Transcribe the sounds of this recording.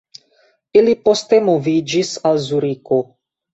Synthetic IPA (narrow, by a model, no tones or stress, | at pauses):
ilipo̞ste̞mo̞vid͡ʒisalzuɾiko̞